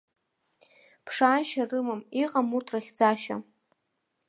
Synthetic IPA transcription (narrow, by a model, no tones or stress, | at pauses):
pʰʂaːʃarɨmamiqʼamurtʰraχʲd͡zaʃa̰